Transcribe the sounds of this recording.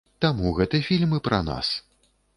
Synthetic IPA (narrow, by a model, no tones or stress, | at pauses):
t̪amuɣɛt̪ɨjɐfʲilʲmɨpɾʔɐa̰na̰s